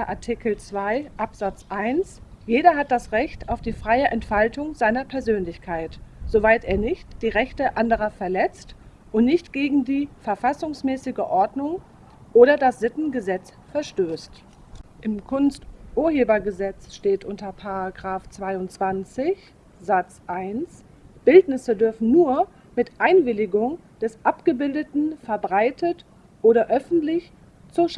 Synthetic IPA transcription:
ʔaɐtʰɪkl̩t͡sv̥aɪʔapz̥at͡sʔaɪnsjeːɾɐɦat̚d̥asʁɛçtaʊfd̥iːfʁ̥aɪəʔɛntfaltʊŋzaɪnɐpʰɛɐzøːnlɪçkʰaɪtz̥ovaɪtʔeːɐnɪçtd̥iːʁɛçtəʔandəʁ̞ɐfɛɐlɛt͡st | ʔʊntnɪçtɡ̥eːɡŋ̩diːfɛɐfasʊŋsmɛːsɪɡəʔɔɐdnʊŋ | ʔoːɾɐdasz̥ɪtn̩ɡəzɛt͡s | fɛɐʃtøːst | ʔɪmkʰʊnstʔuːɐheːbɐɡəzɛt͡sʃteːtʔʊntɐpʰaʁaɡʁaːft͡sv̥aɪʊnt͡sv̥ant͡sɪç | z̥at͡sʔaɪns | b̥ɪltnɪsədʏɐfn̩nuːɐ | mɪtʔaɪnvɪlɪɡʊŋ | d̥ɛsʔapɡ̥əbɪldətn̩fɛɐbʁaɪtʰət | ʔoːɾɐʔœfn̩tlɪç | t͡suʃ

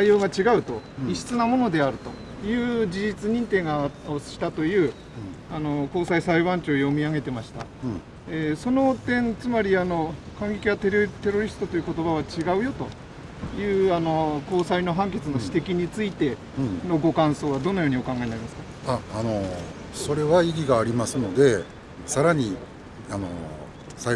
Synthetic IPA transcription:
aijo̞ːɡat͡ɕiɡaɯ̟t̪o̞iɕi̥t͡sɨnamo̞no̞d̪e̞aɾɯ̟t̪o̞ | jɯ̟ːd͡ʑid͡ʑit͡sɨɲ̟ĩnt̪ẽ̞ŋɡao̥ɕi̥t̪at̪o̞jɯ̟ː | ano̞ko̞ːsaisaiβãɲt͡ɕo̞ːjo̞mʲiaɡe̞t̪e̞maɕi̥t̪a̰ | eso̞no̞t̪ẽ̞nt͡sɨmaɾʲiano̞kãŋɡe̞kʲiβat̪e̞ɾt̪e̞ɾo̞ɾʲisɨ̥t̪o̞t̪o̞jɯ̟ko̞t̪o̞baβat͡ɕiɡaɯ̟jo̞t̪o̞ | jɯ̟ːano̞ko̞ːsaino̞ɦãŋke̞t͡sɨno̞ɕi̥t̪e̞kʲiɲ̟it͡sɨit̪e̞ | no̞ɡo̞kãɰ̃so̞ːβad̪o̞no̞jo̞ːɲ̟io̞kãŋɡaenaɾimasɨ̥ka | aːno̞ | so̞ɾe̞βaiɡʲiɡaːɾʲimasɨno̞d̪e̞ | saɾaɲ̟i | ano̞̰ | sa

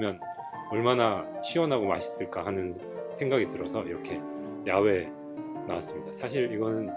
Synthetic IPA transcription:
mjʌn | ʌɭmanaɕʰiwʌnɦaɡoma̰ɕʰi̥s͈ɯɭk͈ahanɯn | sʰe̞ŋɡaɡitɯɾʌsʰʌiɾʌkʰe̞ | jawe̞ | nawas͈ɯmɲidasʰaɕʰiɾiɡʌnɯn

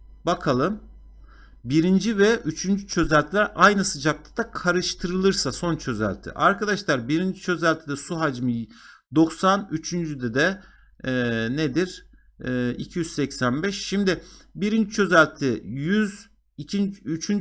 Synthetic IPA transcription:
bakʰalˠɯm | biɾind͡ʒivɛʔyt͡ʃʰynd͡ʒyt͡ʃʰø̞zælʲt̪ʰilʲæɾʔajnɯsɯd͡ʒak̚t̪ʰad̪̥akʰaɾɯʃt̪ʰɯɾɯlˠɯɾsaso̞nt͡ʃʰø̞zæ̰lʲt̪ʰḭʔaɾkʰad̪aʃlˠaɾbiɾind͡ʒit͡ʃʰø̞zælʲt̪ʰid̪ɛsuɦad͡ʒmɯj | d̪o̞ksanyt͡ʃʰynd͡ʒyd̪ɛd̪ɛ | ned̪iɾː | ḭcʰijyzsɛcsænbɛʃːimd̪ɪbiɾind͡ʒit͡ʃʰø̞zælʲt̪ʰɪjyz | iiyt͡ʃʰyn

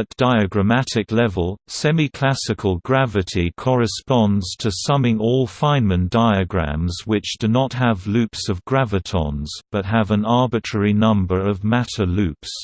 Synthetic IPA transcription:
ət̚d̥aɪɨɡɹəmætɪklɛvəlˠsɛmikʰl̥æsɨkʰəlˠɡɹævɨtʰikʰɒɹɨspɑ̃ndz̥tʰəsʌmɪ̃ŋɔlˠfãɪ̃nmə̃nd̥aɪɨɡɹæ̰̃mzwɪt͡ʃd̥ɨnət̚ɦəvlʉpsʌvɡɹævətʰɑ̰̃nz̥b̥ʌt̚ɦəvə̃nɑɹbɨtʰɹ̥ɛɹinʌ̃mbə˞ʌvmætəlʉps

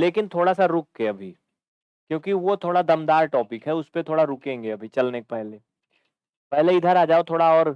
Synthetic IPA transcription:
leːkɪnt̪ʰoːɽasaɾʊk̚ɦɛɐbʱi | kjõːkiʋot̪ʰoːɽad̪ɐmd̪aːɾʈɔːpɪkɦɛʊspet̪ʰoːɽaɾʊkẽːŋɡeɐbʱit͡ʃɐlnekepɛɦleː | pɛɦleɪd̪ʱəɾaːd͡ʒaːot̪ʰoːɽaɔːɾ

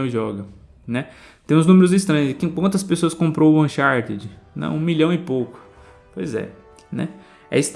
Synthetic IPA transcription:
w̃ɪʒɔɡɐ | nɛ | t̪ẽj̃znũmeɾʊzɪst̪ɾɐ̃ɲ̃ʊzɛkẽkwɐ̃nt̪ɐspesoɐskõmpɾowwɐ̃ʃaɾt̪ɛd͡ʒɪnɐ̰̃w̃ũmiʎɐ̃w̃ɪpowkʊ̥ | po̰jzɛ̰ | nɛ̰ | ɛ̰ɪst̪

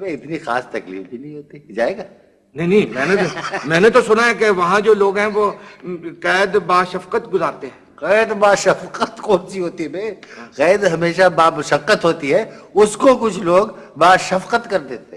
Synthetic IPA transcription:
bẽɪt̪nixa̰ːst̪ɐklḭːfbinɐɦĩɦoːt̪id͡ʒaːeːɡaː | nɐɦinĩmɛ̃ːnet̪omɛ̃ːnet̪osʊnaɦɛkeʋɐɦãd͡ʒoːloːɡɦɛ̃ʋoːqɛːd̪baːʃɐfqət̪ɡʊzaːɾt̪eɦɛ̃ːqɛːd̪baːʃɐfqət̪kɔːnsiɦoːt̪iɦɛbeːɣɛːd̪ɦɐmeːʃabaːmʊʃəqːət̪ɦoːt̪iɦɛʊskokʊt͡ʃʰloːɡbaːʃɐfqət̪kɐɾd̪eːt̪e

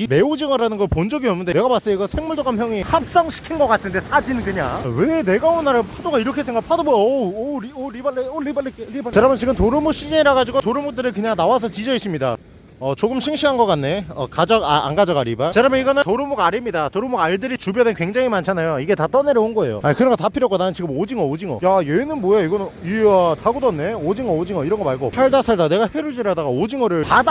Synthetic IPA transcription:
ime̞od͡ʑiŋʌɾanɯnɡʌpond͡ʑʌɡiʌmnːɯndeneɡamas͈ʌiɡʌsʰe̞ŋmuɭdoɡamçjʌŋihap̚s͈aŋɕʰi̥kʰinɡʌk͈atʰɯnde̞sʰad͡ʑinɯnkɯɲa̰ŋwene̞ɡaonːaɾapʰadoɡaiɾʌkʰe̞sʰe̞ŋɡapʰadoboʌɾoɾibaɭeolibaɭekeit͡ɕaɾamʌnt͡ɕiɡɯmtoɾɯmuɕʰid͡ʑeiɾaɡad͡ʑiɡotoɾɯmuk̚t͈ɯɾɯɭkɯɲaŋnawas̬ʰʌtid͡ʑʌis͈ɯmɲida̰ | ʌt͡ɕoɡɯmɕʰiŋɕʰiɦanɡʌk͈anːe̞ʌ̰kad͡ʑʌɡaa̰ŋɡad͡ʑʌɡaɾibat͡ɕaɾameiɡʌnɯtoɾɯmuɡaɾimɲidatoɾɯmuɡaɭdɯɾit͡ɕubjʌdenkwe̞ŋd͡ʑaŋimant͡ɕʰanajoiɡe̞tat͈ʌneɾjʌonɡʌe̞̰jo̰akɯɾʌnɡʌtapʰiɾjʌk͈onanɯnt͡ɕiɡɯmod͡ʑiŋʌod͡ʑiŋʌ̰jajeinɯnmwojaiɡʌnɯniʌtʰaɡodʌnːe̞od͡ʑiŋʌod͡ʑiŋʌiɾʌnɡʌmaɭɡo̰sʰaɭdasʰaɭdane̞ɡaɸeɾuɭd͡ʑiɾadaɡaod͡ʑiŋʌɾɯɭpad

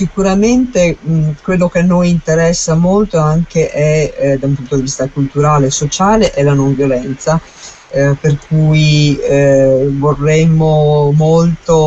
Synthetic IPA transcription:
sikuɾament̪ekwelːok̟enːojint̪eɾɛsːamolt̪oaŋk̟eʔɛd̪aumpunt̪od̪ivist̪akult̪uɾaːleːsot͡ʃaːleʔɛlanoɱvjolɛnt̪sa | perkuːj | vorːɛmomolt̪o

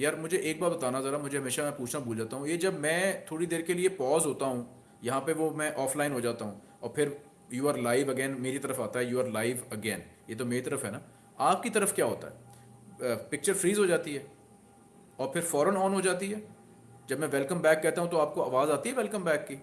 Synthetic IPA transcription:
jaːɾmʊd͡ʒʱeʔeːk̚baːɾbɐt̪aːnazɛːɾamʊd͡ʒʱeɦɐmeːʃamɛ̃puːt͡ʃʰnabuːld͡ʒaːt̪aɦũjed͡ʒɐbmɛ̃ːt̪ʰoːɽid̪eːɾkeliepɔːzɦoːt̪aɦũː | jɐɦãpeʋomɛ̃ʔɔːflaːɪnɦod͡ʒaːt̪aɦũː | ɔːɾpʰɪɾ | juːaːɾlaːɪʋəɡɛːnmeːɾit̪ɐɾəfaːt̪aɦɛjuːaːɾlaːɪʋəɡɛːnjeːt̪̬omeːɾit̪ɐɾəfɦɛnaː | aːp̚kit̪ɐɾəfkjaːɦo̰ːt̪a̰ɦɛ̰ː | pɪk̚t͡ʃəɾfɾiːzɦod͡ʒaːt̪iɦɛː | ɔːɾpʰɪɾfɔːɾənɔːnɦod͡ʒaːt̪iɦɛː | d͡ʒɐbmɛ̃ʋɛlkəmbɛːkːɛɦt̪aɦũt̪oaːp̚koaːʋaːzaːt̪iɦɛʋɛlkəmbɛːkːi

